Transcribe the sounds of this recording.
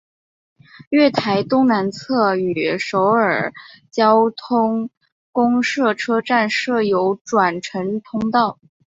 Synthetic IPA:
ɥɛ˥˩t̪ʰa˧˥ɪt̪ʊ˥ŋna˧˥nt͡sʰɤ˥˩y˩ʂo˧˥ʊə˞˨˩t͡ɕjɑ˥ʊt̪ʰʊ˥ŋ | kʊ˥ŋʂɤ˥˩ʈ͡ʂʰɤ˥ʈ͡ʂa˥˧nʂɤ˥˩jo˧˥ʊʈ͡ʂwa˨˩nʈ͡ʂʰɤ˧˥ŋt̪ʰʊ˥ŋt̪ɑ˥˩ʊ

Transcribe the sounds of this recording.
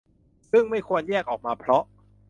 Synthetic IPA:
sɯ˥˩ŋma˥˩jkʰu˧ənjɛː˥˩k̚ʔɔː˨˩k̚maː˧pʰɾɔ˦˥ʔ

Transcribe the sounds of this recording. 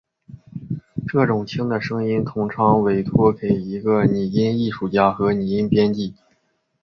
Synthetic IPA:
ʈ͡ʂɤ˥˩ʈ͡ʂʊ˨˩ŋt͡ɕʰi˥ŋd̪ə˨ʂɤ˥ŋi˥nt̪ʰʊ˥ŋʈ͡ʂʰɑ˧˥ŋwe˧˥ɪt̪ʰwɔ˥ke˨˩ɪi˧˥ɡə˧ni˨˩i˥ni˥˩ʂu˥˩t͡ɕja˥xɤ˧˥ni˨˩i˥ŋpjɛ˥nt͡ɕ̪i˥˩

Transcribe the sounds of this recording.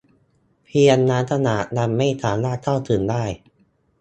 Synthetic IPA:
pʰi˧ənːaː˦˥nt̪ʰa˧naː˨˩t̪̚na˧mːa˥˩jt̪ʰaː˨˩˦naː˥˩t̪ʰa˥˩wt̪ʰɯː˨˩˦ndaː˥˩j

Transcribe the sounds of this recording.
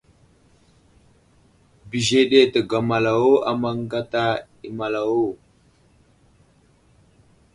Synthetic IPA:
bi˨ʒe˦ɗe˦tə˨ɡa˨ma˨la˨wo˦a˨ma˦ŋ˦ɡa˦ta˦ | i˨ma˨la˨wo˦˨

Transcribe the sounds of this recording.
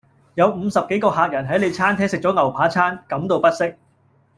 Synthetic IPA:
jɐ˨˧wm̩˨˧sɐ˨p̚ke˨˥jkɔː˧ɦaː˨k̚jɐ˨˩nɦɐ˨˥jle˨˧jt͡sʰaː˥nt̪ʰɛː˥ŋsɪ˨k̚t͡ʃɔː˨˥ŋɐ˨˩wpʰaː˨˥t͡sʰaː˥nkɐ˨˥mt̪o˨˧wpɐ˥t̚sɪ˥k̚

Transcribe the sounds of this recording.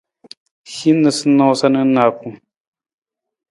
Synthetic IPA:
hi˦nə˨sɨ˦no˦sa˦nə˦na˨ku˦˨

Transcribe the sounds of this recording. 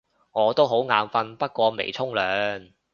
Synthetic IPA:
ŋɔː˨˧t̪o˥wɦo˨˥wŋaː˨˧mfɐ˧npɐ˥t̚kʷɔː˧mḛ˨˩jt͡sʰʊ˥ŋlœː˨˥ŋ

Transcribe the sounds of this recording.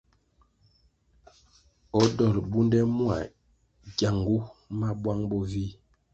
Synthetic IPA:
ɔ˦dɔ˨ɾbu˦ndɛ˦mwa̰˨ | ɡja˨ŋɡu˦ma˦bwa˦ŋbɔ˦vi˦

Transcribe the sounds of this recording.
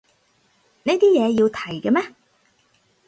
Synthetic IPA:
ne˨˥jt̪iː˥jɛː˨˧jiː˧wt̪ʰɐ˨˩jkɛ˧mɛː˥

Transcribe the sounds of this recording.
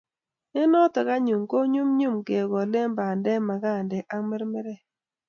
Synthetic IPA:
ɪ˦nɔ˦tɔ˨ka˦ɲu˨mko˦ɲu˦mɲu˦˨mke˨ɡɔ˨le˦mba˨ndɛ˦ma˨ɡa˦˨ndɛ˨ʔa˦mɛ˦ɾmɛ˦ɾɛ˦

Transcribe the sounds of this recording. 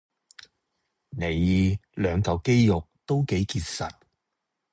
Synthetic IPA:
ne˨jiː˨˧lœː˨˧ŋk̪ɐ˨˧wke˥jjʊ˨k̚t̪o˥wke˨˥jkiː˧t̚sɐ̰˨t̚

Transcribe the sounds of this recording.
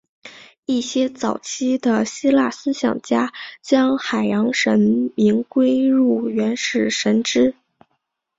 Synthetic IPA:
i˥˩ɕjɛ˥t͡sɑ˨˩ʊt͡ɕʰi˥d̪ə˨ɕi˥la˥˩sɹ̩˥ɕjɑ̰˨˩ŋt͡ɕja˥t͡ɕjɑ˥ŋxa˨˩ɪjɑ˧˥ŋʂə˧˥nmi˧˥ŋkwe˥ɪɻu˥˩ɥɛ˧˥nʂɻ̩˥˩ʂə˧˥nʈ͡ʂɻ̩˥

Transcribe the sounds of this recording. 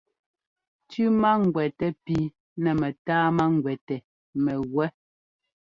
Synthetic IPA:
tʉ˦ma˦ŋ˨ɡwɛ˨tɛ˦pi˦ | nɛ˨mɛ˨taː˦ma˦ŋ˨ɡwɛ˨tɛ˨ | mɛ˨ɣwɛ˦

